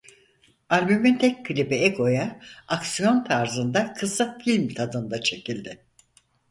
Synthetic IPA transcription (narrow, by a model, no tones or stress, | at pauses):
alʲbymint̪ʰɛcʲkʰɯlʲibɛekʰo̞jaːksijo̞nt̪ʰaɾzɯnd̪akʰɯsɯkfilʲmt̪ʰad̪ɯnd̪at͡ʃʰe̞cilʲd̪ɪ